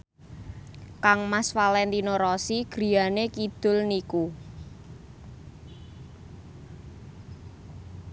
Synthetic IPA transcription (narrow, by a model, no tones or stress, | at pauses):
kaŋmasfalɛnt̪inoɾɔsiɡ̥ɾi̤anekid̪̥ʊ̤lniku